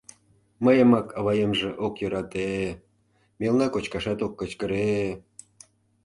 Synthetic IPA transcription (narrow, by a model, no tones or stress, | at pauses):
məjəmɑkʰɑβɑjemʒĕʔokjøɾɑt̪e | mʲelnɑkot͡ɕkɑʃɑt̪okːət͡ɕkəɾe